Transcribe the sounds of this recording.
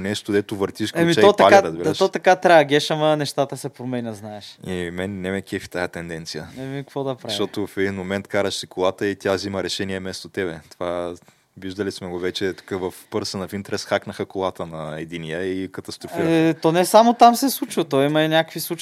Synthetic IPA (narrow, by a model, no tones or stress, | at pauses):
nɛʃt̪od̪ɛt̪ʊvəɾt̪iʃkɛmit͡ʃɛt̪alaɛɾəzbilʃt̪ɔt̪ɐkat̪ɾaɐɡʲɛʃɐmɐnɛʃt̪at̪əsɛpɾomɛnʲɐznaɛʃimɛnnɛmɛkʲiɛfi̥t̪ajɐt̪ɛnd̪ɛnt̪sijəɛmikvɔd̪ɐpɾavʃit̪ɔt̪ofɛd̪inmomɛnt̪kaɾəʃsikolˠat̪əit̪ʲaziməɾɛʃɛniɛmɛst̪ot̪ɛβɛt̪ova | viʒd̪əlismɛɡovɛt͡ʃɛt̪u̥kəvɐfpɤɾsənɐfint̪ɾɛsxaknəxəkolˠat̪ənɐɛd̪inijəikɐt̪ɐst̪ɾofiɾɛt̪ɔnɛsamot̪amsɛslˠut͡ʃvɐt̪ɔjimɐinʲakəkvislˠut͡ʃ